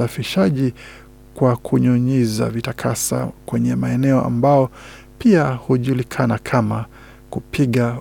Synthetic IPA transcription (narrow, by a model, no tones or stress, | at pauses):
afiʃaʄi | kwakʰuɲɔɲɛza̰vitakʰasa̰kwɛɲɛmaɛnɛɔʔa̰mbajɔ | piahuʄulikʰanakʰama | kupʰiɠa